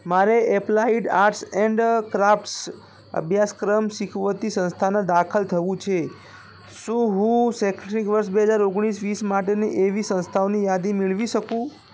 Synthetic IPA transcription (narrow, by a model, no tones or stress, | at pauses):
maɾeʔeplaiɖaɾʈsɛɳɖkɾafʈs | ə̰bʱjaskɾəmʃikʰʋət̪isə̃nst̪ʰanãd̪akʰəlt̪ʰəʋũt͡ʃʰe | ʃũɦũsekʈɾikʋəɾʃbeɦəd͡ʒaɾoɡɽ̃isʋismaʈeniʔeʋisə̃nst̪ʰaonijad̪imɪɭʋiʃəkũ